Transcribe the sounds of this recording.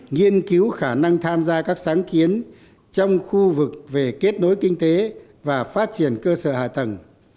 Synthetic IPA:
ŋi˧ənki˨˦wxaː˧˩na˧ŋt̪ʰaː˧mzaː˧kaː˦˥k̚saː˨˦ŋki˨˦ən | t͡ɕɔ˧wŋ͡mxu˧vɨ˨˩k̚ve˨˩ke˦˥t̚no˨˦jkï˧ŋ̟t̪e˨˦ | vaː˨˩faː˦˥t̚t͡ɕi˧˩ənkəː˧səː˧˩ha̰ː˧˨t̪ə˨˩ŋ

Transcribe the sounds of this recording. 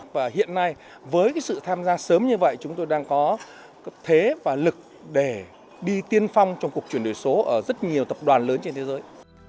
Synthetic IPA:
vaː˨˩ɦḭ˧˨ənːa˧j | vəː˨˦jkaː˨˦jsɨ̰˧˨t̪ʰaː˧mzaː˧səː˨˦mɲɨ˧və̰˧˨jt͡ɕʊ˨˦ŋ͡mt̪o˧jɗaː˧ŋkɔ˨˦ | t̪ʰe˨˦vaː˨˩lɨ˨˩k̚ | ɗe˧˩ | ɗi˧t̪i˧ənfa˧wŋ͡mt͡ɕwŋ͡mku˨˩ək̚t͡ɕwi˧˩ənɗo˨˩jso˨˦ʔəː˧˩zə˦˥t̚ɲi˨˩əwt̪ə˨˩p̚ɗwaː˨˩nləː˨˦nt͡ɕe˧nt̪ʰe˨˦zəː˨˦j

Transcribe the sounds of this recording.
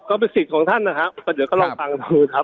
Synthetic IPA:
kɔː˥˩p̬e˧nsi˨˩kʰɔː˩˦ŋt̪ʰa˥˩nːa˦˧kʰa˦˥ʔkɔː˥˩di˨˦kɔː˥˩lɔ˧˥˩fa˧ŋduː˧kʰa˦˥p̚

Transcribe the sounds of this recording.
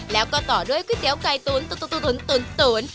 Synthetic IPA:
la̰ː˨˩wkɔ˧˩t̪ɔ˨˩ɗɨ˨˧˦kwi˦˥t̪̚ɛ˨˦wka˧jt̪u˧ənt̪ːt̪ːt̪ɨ˧˨˩ə˦nt̪ɨ˧˩ə˦nt̪ɨ˧˩ən

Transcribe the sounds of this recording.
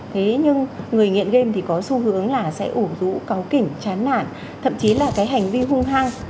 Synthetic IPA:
t̪ʰe˨˦ɲɨ˧ŋŋɨ˨˩əjŋḭ˧˨ənɣe˧mt̪ʰi˨˩kɔ˨˦su˧hɨ˨˦əŋlaː˨˩sɛ̰˧˥ʔu˧˩zṵ˧˥ka˨˦wkï˧˩ŋ̟t͡ɕaː˨˦nːa̰ː˧˩˨n | t̪ʰə̰˧˨mt͡ɕi˨˦laː˨˩kaː˨˦jɦa˨˩jŋ̟vi˧ɦʊ˧ŋ͡mɦaː˧ŋ

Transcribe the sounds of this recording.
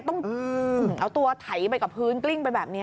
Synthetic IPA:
t̪ɔ˥˩ŋʔɯ˧ʔa˧˩t̪u˧ɐt̪ʰa˩˦jpa˧jka˨˩p̚ʰɯː˦˥nkli˥˩ŋpa˧jbɛː˨˩p̚ni˦˥

